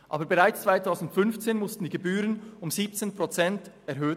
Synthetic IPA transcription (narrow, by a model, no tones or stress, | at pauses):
ʔa̰ːbəɾbɛʁaɪt͡st͡sv̥aɪtʰaʊzn̩tfʏnft͡seːnmʊstn̩d̥iːɡebyːɾənʊmziːp̚t͡seːnpʁot͡sɛntɛɾɦøː